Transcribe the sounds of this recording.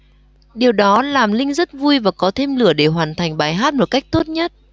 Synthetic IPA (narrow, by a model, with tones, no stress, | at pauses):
ɗi˨˩əwɗɔ˨˦laː˨˩mlï˧ŋ̟zə˦˥t̚vu˧jvaː˨˩kɔ˨˦t̪ʰe˧mlɨ˧˩˨əɗe˧˩ɦwaː˨˩nt̪ʰa˨˩jŋ̟ɓaː˨˩jɦaː˦˥t̚mo˨˩ka˦˥jk̚t̪o˦˥t̚ɲə˦˥t̚